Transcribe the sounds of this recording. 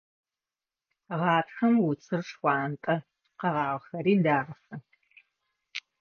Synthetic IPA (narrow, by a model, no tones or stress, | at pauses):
ʁɑːtxɐmwʊt͡sʰɨrʂxʷɑːntʼɐ | qɐʁɑːʁxɐɾiːndaːʁɐxɐ